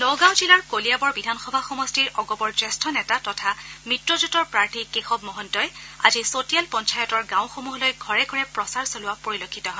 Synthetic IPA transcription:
lɔɡãw̃zilaɹkolijabɔɹbidʱanxɔbʱaxɔmɔstiɹɔɡɔbɔɹzɛstʰɔnɛtatɔtʰamitɹɔzutɔɹpɹaɹtʰikexɔbmɔɦɔntɔjazisotijalpɔnt͡ʃajɔtɔɹɡãw̃xomuɦɔlojɡʱɔɹɛɡʱɔɹɛpɹɔsaɹsolʊwapoɹilokʰːitɔɦɔ

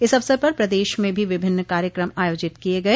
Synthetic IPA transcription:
ɪsɐʋsəɾpɐɾpɾɐd̪eːʃmẽbʱiʋɪbʱɪnːkaːɾjəkɾəmaːjoːd͡ʒɪt̪kieɡɐe

